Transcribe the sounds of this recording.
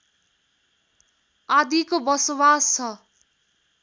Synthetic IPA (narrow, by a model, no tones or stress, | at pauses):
ad̪ikobʌsowast͡sʰʌ